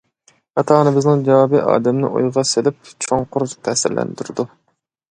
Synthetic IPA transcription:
hɑt̪ʰɑːnɨbɪznɪŋd͡ʒɛwɑːbiʔɑ̰ːd̪ɛmnɪ̰ʔo̰jʁɑselɪp̚t͡ʃʰoŋqʊɾt̪ʰɛhsɪ̰ɾlʔɛ̰nd̪yɾɪd̪u

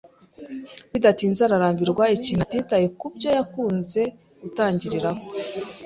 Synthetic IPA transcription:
βidatiːnzaɾaɾaːmbiɾɡwaiciːn̥atiːtajekubɟo̞jakuːnze̞ | ɡutaːɲɟiɾiɾaho

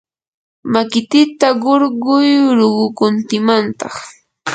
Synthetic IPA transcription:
makɪt̪ɪt̪aɢoɾɢʊjɾoɢʊkʊnt̪ɪmant̪ɑχ

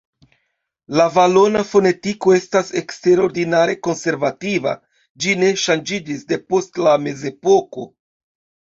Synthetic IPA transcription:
lavalo̞nafo̞ne̞tiko̞e̞stase̞kste̞ɾo̞ɾdinaɾe̞ko̞nse̞ɾvativa̰ | d͡ʒine̞ʃand͡ʒid͡ʒisde̞po̞stlame̞ze̞po̞ko̞

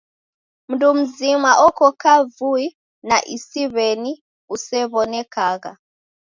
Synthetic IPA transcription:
m̩ndum̩zimaʔɔkɔkavui | naʔisiβɛni | usɛβɔnɛkaɣa̰

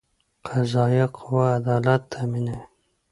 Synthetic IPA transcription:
qʰazɑːjaqʰʊwaːd̪ɑːlat̪ːamine

